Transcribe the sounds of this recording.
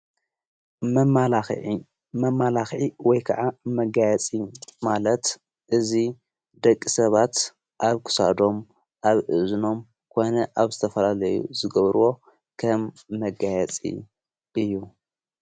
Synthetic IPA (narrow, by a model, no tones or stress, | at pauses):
mala | mɐmːalaxʕiwɔjkʰɐʕamɐɡajɛt͡sʼimalɐt̪ | ʔɨzi | d̪ɐkʼːisɐβat̪ | ʔaβkʰɨ̥sa̰d̪o̞m | ʔaβʔɨzuno̞m | kʰo̞nɐʔaβzɨt̪ʰɐfɐlalɐjṵzɨɡɐβɾuwo̞ | kʰɐmː | ɐɡajɛt͡sʼḭ | ʔɨjːu